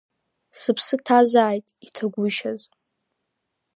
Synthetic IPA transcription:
sɨpʰsɨtʰazaːjtʼitʰaɡʷʊʃaz

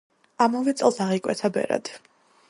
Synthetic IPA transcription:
amɔvɛt̪sʼɛlˠsaʁikʼwɛ̰t̪ʰabɛ̰ɾa̰d̪̥

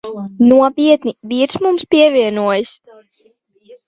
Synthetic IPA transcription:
nuɔpʲiɛt̪niviːɾsmumspʲiɛvʲiɛnuɔjis

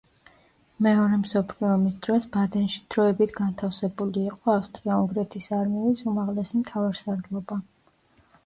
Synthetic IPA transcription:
mɛɔɾɛmsɔpʰliɔmisd̪̥ɾɔsbad̪ɛnʃi̥d̪̥ɾɔɛbit̪ʰɡant̪ʰafsɛbuliːqʼɔafst̪ʼɾiauŋɡɾɛt̪ʰisaɾmɛɛlisumaʁlɛsimt̪ʰavaɾsaɾd̪lˠɔba

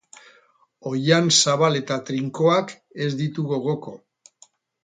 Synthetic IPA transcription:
o̞jansaβale̞t̪at̪ɾiŋko̞ak | e̞zd̪it̪uɣo̞ɣo̞ko̞

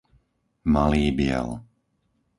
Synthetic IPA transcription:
maliːbɪɛ̰l

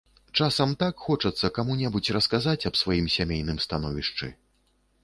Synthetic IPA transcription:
t͡ʂasɐmt̪akxɔt͡ʂɐt̪sːɐkamunʲɛbut͡sʲrɐskazat͡sʲɐpsvajimsʲamʲejnɨmst̪anɔvʲiʂt͡ʂɨ̰

